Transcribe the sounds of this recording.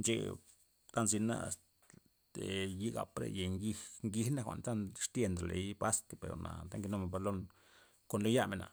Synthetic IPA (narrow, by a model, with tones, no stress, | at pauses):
nt͡ʃḛ˧ | ka˦nzi˧na̰˦˧s | t̪e˨ji˦ɡa̰˨pɾḛ˧je˨ŋɡi˦ŋɡi˧hna˦˨xʷa̰˨ʔnt̪a˦nʂt̪je˧nd̪ɾa˨le˨˦jpa˦st̪pe˨ɾo˨na̰˨t̪a˦ŋɡi˧no˦me˨ba˧lo˦n | ko˨nlo˦ja˦me˨na̰˨